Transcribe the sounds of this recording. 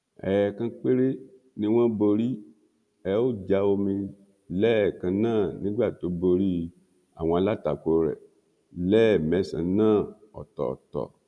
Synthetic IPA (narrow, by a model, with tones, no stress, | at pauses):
ɛː˨kã˧k͡pe˦ɾe˦ | nĩ˧w̃ã˦bo˧ɾi˦ | ɛ˨˦wo˦d͡ʒa˧wo˧mĩ˧ | lɛ˦˨kã˧nãː˦˨nĩ˨˦ɡ͡ba˦˨to˨˦bo˧ɾi˦ | a̰˨w̃ɔ̃˧a˧la˦ta˨ko˨ɾɛ̰˨ | lɛ˦˨mɛ˨˦sã̰˨nãː˦˨ | ɔ̰˨tɔ̰˨tɔ̰˨